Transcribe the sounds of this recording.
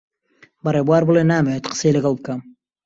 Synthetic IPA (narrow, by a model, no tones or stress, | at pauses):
baɾebwaːɾbulenaːmeet̪qə̥sejleɡalˠb̚kam